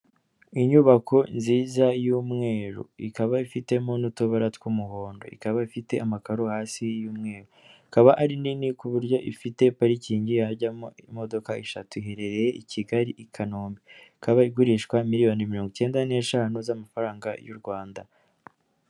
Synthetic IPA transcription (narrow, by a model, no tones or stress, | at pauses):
iɲuβakʰo̞nziːzajuːmŋe̞ːɾṵikaβaifite̞mo̞nutuβaɾatwumuho̞ːndo̞̰ḭkaβaifite̞amakaɾohaːsijuːmŋe̞ːɾuikaβaʔaɾininikuβuɾjo̞ʔifite̞paɾiciːɲɟijaɟamoimo̞do̞kaiʃa̰tuihe̞ɾe̞ɾe̞jeʔicʰiɡaɾiʔikʰanoːmbeikaβaiɡuɾiʃkwamiɾijo̞nimiɾo̞ːŋɡuce̞ːndane̞ːʃaːnuzamafaɾaːŋɡa̰jṵɾɡwaːnda